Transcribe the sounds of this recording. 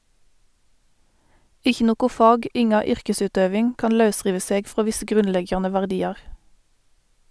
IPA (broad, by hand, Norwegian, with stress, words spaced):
ˈɪçə ˈnoːɡʊ ˈfɑːɡ ˈɪŋɑ ˈʏʁkəˌsʉːdøːʋɪŋ ˈkɑːn ˈlɑʉˌsʁiːʋə ˈseːɡ ˈfʁoː ˈʋɪsə ˈɡʁʉnˌlɛɡjɑnə ʋæʁˈdiːɑʁ